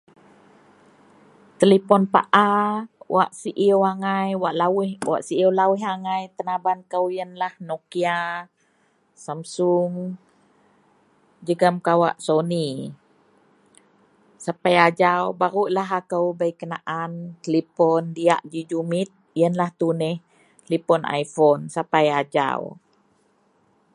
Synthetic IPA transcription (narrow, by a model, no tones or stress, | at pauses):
t̪əlipɔnpa̰ʔawʔa̰ʔsiʔiəwaŋajwaʔlawihwa̰ʔsiəlawiɦaŋajt̪ənabankəwjənlahnokia | samsuŋ | d͡ʒəɡəmkawa̰ʔsoni | sapajad͡ʒawbaɾuʔlaɦakəwbəjkənaʔank̪əlipɔndia̰ʔd͡ʒid͡ʒumit̪̚jənlaht̪unɛh | kəlipɔnʔa̰jfɔnsapajad͡ʒa̰w